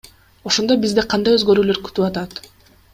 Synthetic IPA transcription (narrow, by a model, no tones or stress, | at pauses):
o̞ʃo̞nd̪o̞bizd̪eqʰɑnd̪ɑjøzɡø̞ɾyːløɾky̥t̪yɑt̪ɑt̪